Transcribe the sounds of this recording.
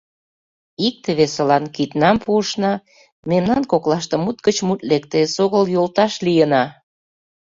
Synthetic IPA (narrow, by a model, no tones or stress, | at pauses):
ik̚t̪əβesə̆lɑnkit̪nɑmpʰuəʃnɑ | memnɑnkoklɑʃt̪ɤ̆mut̪ɡət͡ɕmut̪̚lekt̪esoɣəljolt̪ɑʃlijənɑ